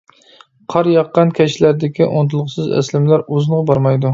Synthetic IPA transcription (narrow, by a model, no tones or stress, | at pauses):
qʰɑɾjɑqːɑnkʲʰɛʃlæɾd̪ɪkʲiʔont̪ʰɨlˠʁʊsɨzæ̰slɪmlæɾozɨnʁɑbɑɾmɑjd̪u